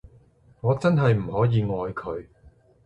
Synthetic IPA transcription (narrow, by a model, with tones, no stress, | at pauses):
ŋɔː˨˧t͡sɐ˥nɦɐ˨jm̩˨˩hɔː˨˥jiː˨˧ŋɔː˨˧jkʰɵ˨˧ɥ